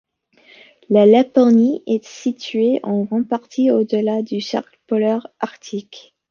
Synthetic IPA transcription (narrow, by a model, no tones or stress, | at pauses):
lalapɔniʔɛsit̪ʰɥeʔɑ̃ɡʁɑ̃paʁt̪ʰiod̪əlad̪ysɛ̰ʁklpɔlœʁaʁt̪ʰik